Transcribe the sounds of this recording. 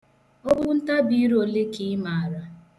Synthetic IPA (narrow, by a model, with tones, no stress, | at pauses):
ɔ˦bʊ˦n̩˦ta˦bi˦ɾo˨le˦ki˦ma˨a˨ɾa˦